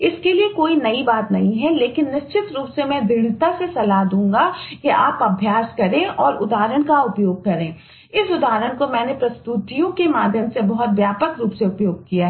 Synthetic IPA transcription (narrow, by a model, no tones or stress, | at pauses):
ɪskeliekoːinɐibaːt̪nɐɦĩɦɛleːkɪnːɪʃt͡ʃɪt̪ɾuːpsemɛ̃d̪ɪɽ̃ɪt̪asesɐlaɦd̪ũːŋ̆ɡakeʔaːpɐbʱjaːskɐɾẽʔɔːɾʊd̪aːɾəɽ̃kaʊpjoːɡ̚kɐɾẽː | ɪsʊd̪aːɾəɽ̃komɛ̃ːnepɾɐst̪ut̪ijõkemaːd̪ʱjəmsebɐɦʊt̪ʋjaːpəkɾuːpseʊpjoːɡ̚kijaɦɛ